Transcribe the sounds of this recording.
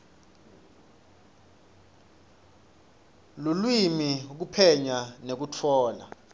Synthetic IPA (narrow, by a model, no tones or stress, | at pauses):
lulwimik̬upʰɛɲanek̬utʰɔːla̰